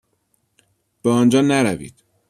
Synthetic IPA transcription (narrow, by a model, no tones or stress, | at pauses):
b̥ɛɒːnd͡ʒɒːnæɾævḭːd̪̥